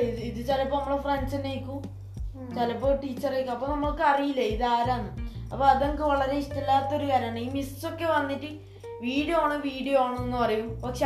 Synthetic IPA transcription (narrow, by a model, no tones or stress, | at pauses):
iɨiðɨt͡ɕɐlɐpːoːnɐmːɐɭefrensɐnejkʲːu | t͡ɕɐlɐpːoʈiːt͡ɕːɐrejkʲːuɐpːonɐmːɐɭkɨɐrijilːɐiðɨaːɾaːnːɨɐpːoɐðɐŋkɨʋɐɭɐɾe̞iʂʈɐlːaːt̪ːɐo̞ɾukaːɾaːɳɨiːmisso̞kːe̞ʋɐnːiʈːɨ | ʋiːɽjoaːɳɨʋiːɽijoaːɳɨenːɨpɐrɐjumpɐkʂe